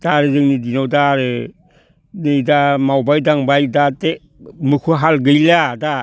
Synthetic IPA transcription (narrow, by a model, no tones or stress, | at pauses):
d̥aɾezɯŋnidinawdaɾe | nɯjdamawbajdaŋbajdate | mɯkʰuɦalɡɯjlada